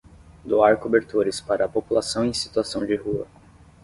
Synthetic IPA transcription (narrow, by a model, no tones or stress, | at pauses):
d̪oaɾkobeɾt̪oɾɪspaɾɐːpopulasɐ̃w̃ẽj̃si̥t̪uasɐ̃w̃d͡ʒɪhuɐ̰